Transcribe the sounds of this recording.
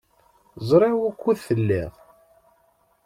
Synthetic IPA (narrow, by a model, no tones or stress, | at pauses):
zˤɾˤewækʷːuðθəlːɪ̰ʁ